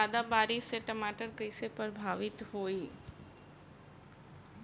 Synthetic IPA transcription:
ad̪abaːɾiseʈəmaːʈəɾkəɪsepəɾbʱaːʋɪt̪ɦoːiː

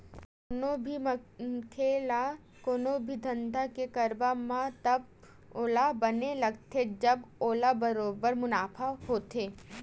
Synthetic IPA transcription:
nobʱikʰeːla | koːnobʱid̪ʱə̃nd̪ʱakekɐɾbamãt̪ɐb | oːlabɐnelɐɡt̪ʰed͡ʒɐboːlabɐɾoːbəɾmʊnaːpʰahoːt̪ʰeː

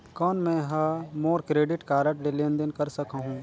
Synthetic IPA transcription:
kɔːnmɛ̃ɦamoːɾkɾeːɖɪʈkaːɾəʈlelẽːnd̪ənkɐɾsɐkaɦũː

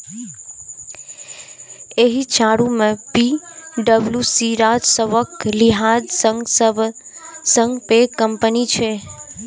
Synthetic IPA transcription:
eɦit͡ʃaɽumẽpiɖəbljusiɾad͡ʒsəʋəkliɦad͡ʒsə | sə̃ŋɡpekəmpənit͡ʃʰe

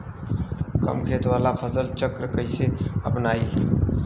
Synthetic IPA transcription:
kɐ̰mkʰeːt̪waːlapʰɐsəlt͡ʃəkɾkəiseɐpnaːi

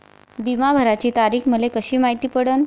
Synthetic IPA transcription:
bimabʱəɾat͡ɕiːt̪aɾiːxməlekəɕiːmaɦit̪iːpəɽən

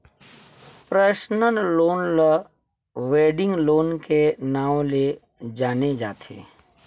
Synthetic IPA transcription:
pɾəːʃnənloːnlə | ʋeːɖɪ̃ŋɡloːnkenaːw̃le | d͡ʒaːned͡ʒaːt̪ʰḛː

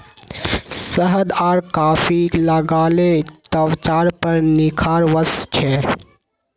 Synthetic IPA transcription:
səɦəd̪aːɾkaːfiləɡaːlet̪əʋt͡ʃaːɾpəɾnɪkʰaːɾʋəst͡ʃʰɛː

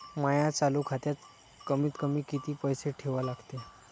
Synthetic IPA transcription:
majat͡salukʰat̪jat̪ | kəmiːt̪kəmiːkit̪iːpəjseʈʰeʋalaɡt̪e

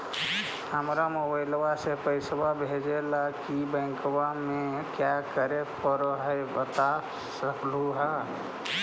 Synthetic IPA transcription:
həmɾamobəɪlwasepəɪsbabʱed͡ʒelakibə̃ɪ̃ŋkwamekjakəɾepəɾɔɦəɪbət̪a | səkʰluɦa

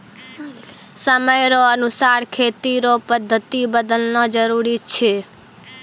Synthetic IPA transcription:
səməjɾoənusaɾkʰet̪iɾopəd̪ʱːət̪ibəd̪əlnɔd͡ʒəɾuɾit͡ʃʰe

